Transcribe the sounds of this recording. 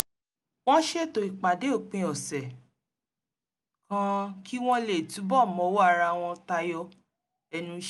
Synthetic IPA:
w̃ɔ̃˦ʃe˦˨to˨i˨k͡pa˨de˨˦o˦˨k͡pĩ˧˦ɔ˨sɛ˨ | kã˦ki˦w̃ɔ̃˦le˨tũ˨˦bɔ˦˨mɔ̃˨˦wo˦a˦˧˨ɾa˧w̃ɔ̃˧ta˧jɔ˧˦ | ɛ˧nũ˦ʃ

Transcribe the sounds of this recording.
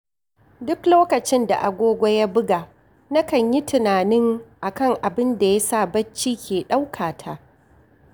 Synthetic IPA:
dʊ˦kloː˦kɐ˨t͡ʃɪ˦nda̰˨ʔa˨ɡʷoː˦ɡʷa˦ja˦bʊ˦ɡaː˨ | na˦kɐ˨ɲji˦tɪ˨naː˨nɪ˦ŋʔa˨kɐ˦˨ŋʔa˨bɪ˦nda˨ja˦sa˦˨bɐ˦t͡ʃːiː˦kʲʰeː˨ɗa˦wkʰaː˨tʰaː˦

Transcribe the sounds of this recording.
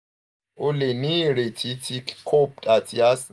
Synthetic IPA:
o˦le˨ni˦ɾe˨tʰi˦tʰi˦kkʰo˦p̚tʼa˨tʰi˨a˦s

